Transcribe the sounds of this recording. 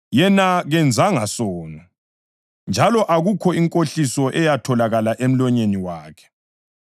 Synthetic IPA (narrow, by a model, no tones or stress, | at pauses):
jɛnaɣɛnd͡zʱaŋasɔːnɔ | nd͡ʒʱalɔʔaɣukʰɔiŋkʼoɬisɔʔɛjatʰɔlaɣalaʔem̩lɔɲeniwaːkʰɛ̥